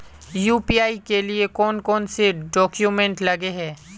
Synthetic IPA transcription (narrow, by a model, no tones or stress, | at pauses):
juːpiaːikeliekɔːnkɔːnseɖɔːkjumɛ̃ɳʈlɐɡeɦɛː